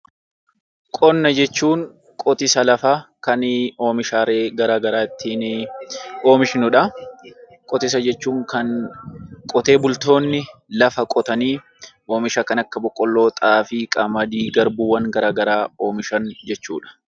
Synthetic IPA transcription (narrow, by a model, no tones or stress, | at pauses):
kʼɔnːɐd͡ʒɛt͡ʃːuːŋ | kʼɔt̪ɪsɐlɐfakɐno̞ːmɪʃaːɾeːɡɐɾaːɡɐɾaːɪt̪ʰːiːnɪ | o̞ːmɪʃɪnʊᶑɐ | kʼɔt̪ɪs̬ɐd͡ʒɛt͡ʃːuːŋkɐn | kʼɔt̪e̞ːbʊlt̪o̞ːnːɪlɐfɐkʼɔt̪ɐniː | ʔo̞ːmɪʃɐkɐnɐkːɐbɔkʼːɔlːo̞ːt̪ʼaːfɪkʼɐmɐd̪iːɡɐɾbuːwɐŋɡɐɾaːɡɐɾaːo̞ːmɪʃɐnd͡ʒɛt͡ʃːṵːᶑɐ̥